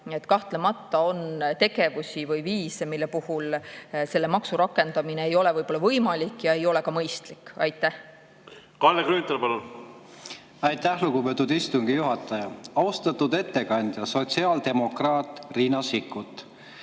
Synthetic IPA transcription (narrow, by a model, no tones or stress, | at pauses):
et̪ːˑkɑht̪lemɑt̪ːˑɑo̞nt̪e̞ɡ̥e̞vusʲivɤjviːsemilːe̞puhulse̞lːemɑksuɾɑkːˑe̞nd̪̥ɑmineejo̞le̞vɤjbo̞lːɑvɤjmɑlʲikːˑjɑe̞jo̞le̞kɑmɤjst̪likːɑjt̪ːˑæh | kɑlekɾyːnt̪ɑlpɑlun | ɑjt̪ːæhluɡ̥upet̪ːˑud̪ist̪uŋɡ̥ijuɦɑt̪ːˑɑjɑɑwst̪ɑt̪ːud̪e̞t̪ːe̞kɑnʲd̪̥ʲjɑso̞t̪ʲsiɑːld̪̥e̞mo̞krɑːt̪ˑriːnɑsikːˑut̪ːˑ